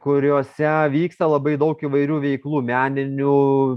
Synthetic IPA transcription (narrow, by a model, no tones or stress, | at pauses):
kʊɾʲoːsʲɛʋʲiːkst̪ɐlˠɐbɐɪd̪ɐʊkiːʋɐɪɾʲuːʋʲɛɪklˠuːmʲæːnʲɪnʲuː